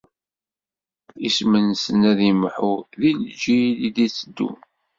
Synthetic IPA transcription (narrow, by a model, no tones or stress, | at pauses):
ismənsənæðimħuðild͡ʒilid̪it͡sːəd̪ːṵ